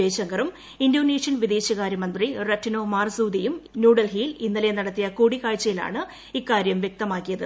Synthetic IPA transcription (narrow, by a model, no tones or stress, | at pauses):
eːɕɐŋɡɐrum | indoːneːʂjɐnʋid̪eːɕɐɣaːɾɐmɐnd̪rirɐtːino̞ːmaːrsuːd̪ijumnjuːɽɐlɦiːlinːɐlɐjenɐɽɐt̪ːijɐkuːɽikaːɻt͡ɕːɐjila̰ːɳɨ | ikːaːɾjɐmʋjek̚t̪ɐmaːkːijɐðɨ